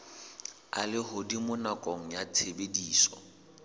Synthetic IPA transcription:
a̰lɪɦʊdimʊnakʼɔŋ̩jat͡sʰebediːsɔ̰

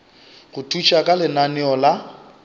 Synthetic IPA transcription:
ɣʊtʰut͡ʃʼakʼalɪnanɪɔla

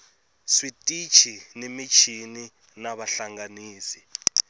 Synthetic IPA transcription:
switʼit͡ʃʰinemit͡ʃʰini | naɓaɬaŋaniːsi̥

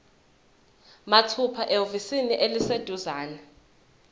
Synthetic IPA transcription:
matʰupʰaʔeovisiniʔelised̥ʱuzaːna

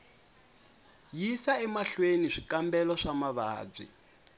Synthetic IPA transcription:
jisaɛmaɬweniʂikambɛlɔʂamaβa̰ːb͡ʐḭ

